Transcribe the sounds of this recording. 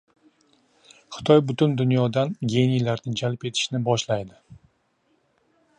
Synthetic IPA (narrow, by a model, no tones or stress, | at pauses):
χɨ̥t̪ʰɒjbʊt̪ʰʊnd̪ʊnjɒd̪anɡʲe̞nijlaɾt̪ʰɪnt͡ʃʰalɪpe̞t̪ʰɪ̥ʃnɪbɒʃlajd̪ɪ